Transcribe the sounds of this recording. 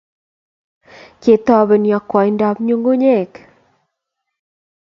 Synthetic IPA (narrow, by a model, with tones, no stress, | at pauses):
ke˨t̪ɔ˦bɛ˨njɔ˨kwɔ˨jnda˦pɲo˦ŋɡo˦ɲe˦˨k